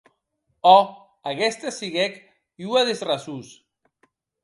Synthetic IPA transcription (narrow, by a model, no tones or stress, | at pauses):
ɔ | aɣɛst̪asiɣɛk | iuaðezrasus